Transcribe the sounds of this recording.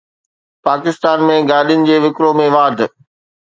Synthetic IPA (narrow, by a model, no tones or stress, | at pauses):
paːkɪst̪aːnmẽɡaːɗijʊnɪ̆d͡ʑeːʋɪkɾomẽʋaːd̪ʱ